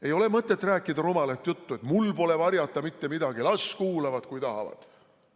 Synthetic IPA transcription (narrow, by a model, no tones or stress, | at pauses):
e̞jo̞le̞mɤt̪ːˑe̞t̪ːˑræːkːˑid̪̥ɑɾomɑleht̪jut̪ːue̞t̪mulːpo̞le̞vɑɾjɑt̪ːˑɑmit̪ːe̞mid̪ɑɡilɑskuːlevɑd̪̥kujt̪ɑhɑ̰vɑ̰d̪̥